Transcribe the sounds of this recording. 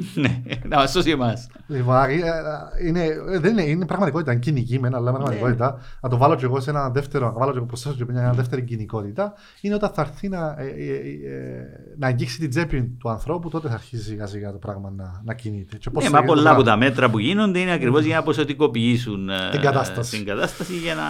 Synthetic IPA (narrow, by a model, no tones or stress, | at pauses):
nenɐmɐst̪osiemɐs | liponaiineðenineinepɾɐɣmɐt̪iko̞t̪it̪ɐiɲcinicimenɐlːɐimpɾɐɣmɐt̪iko̞t̪it̪ɐnɐt̪o̞vɐlo̞ce̞ɣo̞senɐðe̞ft̪eɾoɐɐvɐloceɣopɾost̪esoceoɲɐnɐðe̞ft̪eɾiɟiniko̞t̪it̪ɐ | ineo̞t̪ɐnθɐɾθinɐ | nɐeɲɟiksit̪id͡ze̞pint̪uɐnθɾo̞put̪o̞t̪eθɐːɾçisiɣɐsiɣɐt̪o̞pɾɐɣmɐnɐnɐcinit̪et͡ʃe̞posemɐpollːɐput̪ɐme̞t̪ɾɐpuʝinond̪eineɐkɾivozʝɐnɐposot̪iko̞piisunt̪iɡɐt̪ɐst̪ɐsiiŋɡɐt̪ɐst̪ɐsiʝɐnɐ